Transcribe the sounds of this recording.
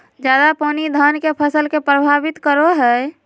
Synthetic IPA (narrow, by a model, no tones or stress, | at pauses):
d͡ʒjad̪apɔnid̪ʱənkepʰəsəlkepɾəbʱabit̪kəɾoɦə